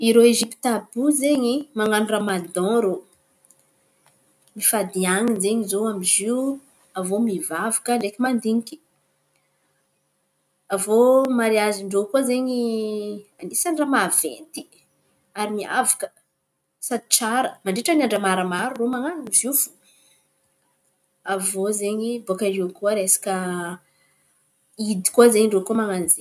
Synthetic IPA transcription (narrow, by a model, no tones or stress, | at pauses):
iɾoeʒipt̪abuzeɲimaŋanuramad̪ɔ̃ɾo | mifad̪iaŋizeɲizoamiziwu | avomivavakəɳɖ͡ʐekʲimand̪iɲiki̥ | avomaɾiaziɳɖ͡ʐokozeɲi | anisaɳɖ͡ʐamavḛnt̪i̥ | aɾimia̰vḁkə̥ | sad̪i̥t͡saɾəmaɳɖ͡ʐeʈ͡ʂənaɳɖ͡ʐəmaɾəmaɾuromaŋanizifu̥ | avozeɲibokarikuəɾesḁkə | id̪i̥kuazeɲiɳɖ͡ʐokumaŋanize